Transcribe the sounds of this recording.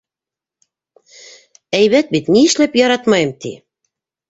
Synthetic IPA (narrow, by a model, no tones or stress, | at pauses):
æjβæt̪̚bit̪niɘ̆ʃlæpjɑɾɑt̪mɑjɤmt̪ḭ